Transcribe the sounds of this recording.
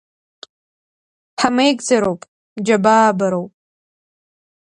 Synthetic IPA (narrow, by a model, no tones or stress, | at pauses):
ħʰamejɡzɐɾowpʼ | d͡ʒɐbaːbɐɾowpʼ